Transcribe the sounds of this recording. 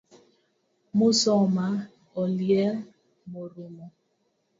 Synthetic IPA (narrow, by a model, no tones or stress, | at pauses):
mʊsɔma | ɔljɛ | moɾimo